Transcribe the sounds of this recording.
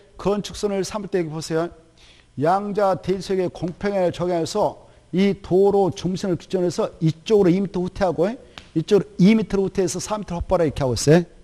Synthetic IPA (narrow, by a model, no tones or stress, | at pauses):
kɯʌnt͡ɕʰuk̚s͈onɯɭsʰamiɭt͈ʰeɡepʰosʰejo | jaŋd͡ʑateisʰweɡekoŋpʰeŋeɭt͡ɕʌɡeaesʰʌ | itoɾot͡ɕuŋsʰinɯɭki̥t͡ɕ͈ʌnesʰʌit͡ɕ͈oɡɯɾoimitʰɯɾɸutʰe̞ɦaɡoe | it͡ɕ͈oɡɯɾoimitʰɯɾɸutʰeːsʰʌsʰamitʰɯɾɭhʰʌk̚p͈aɾaikʰeɦaɡos͈e